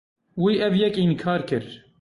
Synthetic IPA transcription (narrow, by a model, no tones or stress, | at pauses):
wiːʔɛvjɛkinkʰɑːɾkɨɾ